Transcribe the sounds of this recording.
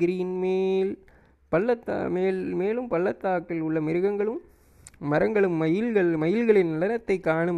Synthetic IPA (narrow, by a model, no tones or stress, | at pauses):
ɪɾiːnmeːl | pɐlːɐt̪ːmeːlmeːlɯmpɐlːɐt̪ːaːkːɪlʊɭːɐmɪɾɯɣɐŋɡɐɭɯmː | ɐɾɐŋɡɐɭɯmːɐjɪlɣɐɭmɐjɪlɣɐɭɪnnɐɭɐnɐt̪ːɐɪkːaːɳɯm